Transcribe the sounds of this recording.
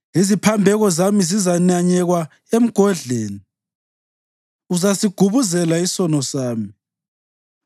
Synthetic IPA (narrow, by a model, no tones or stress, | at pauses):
izipʰambʱɛɣɔzamizizanaɲɛɣwa | em̩ɡ̥ʱɔɮeːni | uzasiɡ̥ʱuβuzɛlaisɔnɔsaːmi